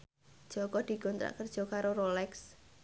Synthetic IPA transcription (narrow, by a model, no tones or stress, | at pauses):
d̥ʒ̥ɔkɔd̪̥i̤ɡɔnt̪ɾa̰ʔkərd̥ʒ̥ɔ̤kaɾoɾolɛks